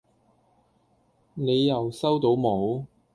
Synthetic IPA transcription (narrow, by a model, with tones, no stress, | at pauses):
ne˨˧jːɐ˨wsɐ˥wt̪o˨˥wmo˨˧w